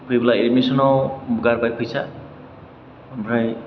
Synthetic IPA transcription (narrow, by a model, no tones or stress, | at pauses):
pʰujbulaiɾmisɔnɔwɡaɾbajpʰujsa | bʱɾaj